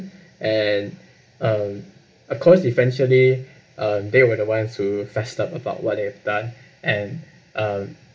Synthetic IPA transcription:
ʔɛ̃n | ʌ̃m | ɔfkʰɔsivɛ̃nʃəli | ʔʌ̃mdewədəwãnstʰufɛstapəbaʊt̚wɔt̚dehɛvdãn | ʔɛ̃n | ʔʌ̃m

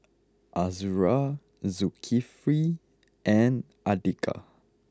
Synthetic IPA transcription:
ʔazuɹa | zukʰifɹi | ʔɛ̃n | adikʰa̰

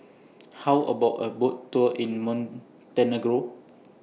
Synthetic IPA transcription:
hawʔə̰bawʔəbottːuəʔĩnmɔ̃n | tɛneɡɹo

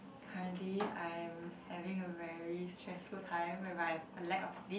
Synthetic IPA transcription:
kʰaɹə̃ntliãj̃mhɛvĩŋəvɛɹistɹɛsfultʰãɪ̃mwɛmaɪəlɛkɔfsli

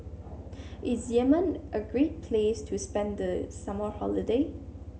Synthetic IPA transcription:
ʔɪsjɛmə̃nʔəɡɹet̚pʰlestʰuspɛ̃nd̪əsãməhɔləde

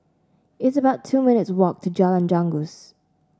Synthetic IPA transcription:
ɪtsəbaʊtʰuːmɪ̃nɪtswɔk̚tʰud͡ʒalə̃nd͡ʒãŋɡus

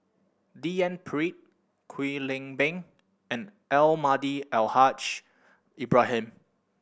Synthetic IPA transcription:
diɛ̃npʰɹit̚ | kʰwilɪ̃ŋbɛ̃ŋ | ɛ̃n | ɛlmadiɛlhat͡ʃ | ibɹaɦɛ̃m

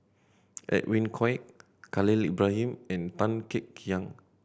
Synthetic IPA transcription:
ʔɛ̰ʔwĩnkʰɔjk̚ | kalilibɹaɦĩmɛ̃nt̪ãnkɛkːijãŋ

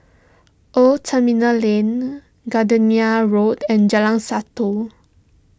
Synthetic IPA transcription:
ʔotʰəmĩnalĩn | ɡadəniaɹotɛ̃nd͡ʒalãŋsat̪u

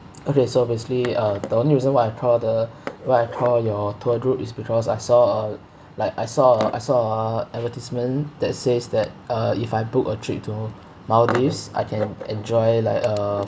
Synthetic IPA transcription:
okesobesikliʌdəõnliɹizə̃nwaɪajkʰɹɔdəwaɪajkʰɹɔjɔtʰoɹupisbikʰɔsajsɔə | laɪkajsɔʔa̰jsɔəɛvətismə̃nd̥ɛt̚sesdɛt̚ʌifaɪbukətʰɹip̚tʰu | maʊdisa̰ɪjkʰɛ̃nɛ̃nd͡ʒɔɪlaɪkə

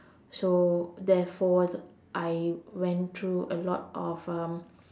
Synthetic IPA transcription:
sodɛfɔ | ʔajwɛ̃nt̪ʰɹuʔəlɔtɔfʌ̃m

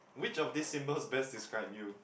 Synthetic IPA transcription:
wit͡ʃɔfdisːĩmbəlsbɛsdiskɹaɪbju

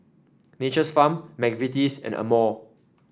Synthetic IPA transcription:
net͡ʃəsfãmːɛɡvitisɛ̰̃nə̰mɔ

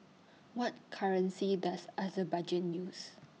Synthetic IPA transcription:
wɔt̚kʰaɹə̃nsidasazəbad͡ʒɛt̚jus

